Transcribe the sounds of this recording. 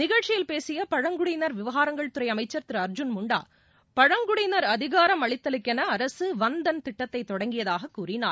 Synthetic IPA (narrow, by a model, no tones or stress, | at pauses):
nɪɣɐɻt͡ʃɪjɪlpeːsɪjɐpɐɻɐŋɡʊɽɪjnɐɾʋɪʋɐɣaːɾɐŋɡɐɭt̪ʊɾɐɪɐmɐɪt͡ʃːɐɾt̪ɪɾɐɾd͡ʒʊnmʊɳɖa̰ː | pɐɻɐŋɡʊɽɪjnɐɾɐðɪɣaːɾɐmɐɭɪt̪ːɐlɯkːɛnɐːɾɐsɯʋɐnd̪ɐnt̪ɪʈːɐt̪ːɐɪt̪ːɔɽɐŋɡɪjɐðaːɣɐkːuːrɪna̰ːɾ